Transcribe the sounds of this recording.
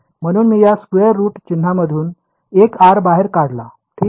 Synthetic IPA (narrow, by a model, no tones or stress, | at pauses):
m̤əɽ̃uːnmiːjaskʋeəɾːuːʈt͡ɕin̤ːaməd̪ʱuːn | ekaɾbaɦeɾkaɽla̰ | ʈʰiː